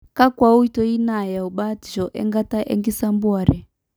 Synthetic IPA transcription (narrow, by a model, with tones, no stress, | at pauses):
ka˦kwa˦u˦i˦tɔ˦i˦na˨ja˨u˨ɓa˦ti˨ʒɔ˨ʔɛ̰˦ŋɡa˦ta˦ʔɛ̰˦ŋɡi˦sa˦mbu˦a˨ɾɛ˨